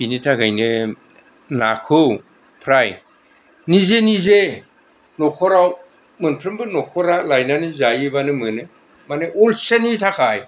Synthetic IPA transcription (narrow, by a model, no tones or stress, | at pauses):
binitʰaɡajnɯ | nakʰɯw | pʰɾaj | nizenize | nɔkʰɔɾaw | mɯnpʰɾɯmbɯnɔkʰɔɾalajnanɯzajibanɯmɯnɯ | maneʔolsenitʰakʰaj